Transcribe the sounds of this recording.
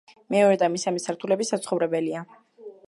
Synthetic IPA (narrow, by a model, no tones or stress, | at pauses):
mɛɔɾɛd̪amisamɛsaɾt̪ʰulɛbisat̪sχɔvɾɛbɛlia